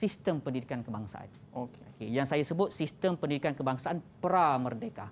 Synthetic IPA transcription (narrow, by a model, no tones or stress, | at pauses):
sist̪əmpəndidikankəbaŋsa̰ʔa̰n | okokejaŋsajasəbʊt̪̚sist̪əmpəndidikankəbaŋsaʔanpəɾamərdeka